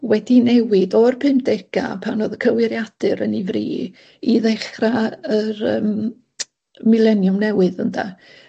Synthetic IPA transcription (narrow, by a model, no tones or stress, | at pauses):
wɛdinɛwɨdɔrpʰɨmd̥ɛɡ̥a̰pʰanoːðəkʰəwɪɾjad̥ɨɾənivrḭː | iðɛχraərəːm | mɪlˠɛnjʊmnɛwɨðənda̰